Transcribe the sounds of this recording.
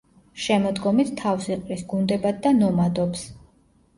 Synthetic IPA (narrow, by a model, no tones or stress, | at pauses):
ʃɛmɔd̪ɡɔmit̪ʰt̪ʰːafsiqʼɾisɡund̪ɛbad̪̚ːanɔmad̪ɔps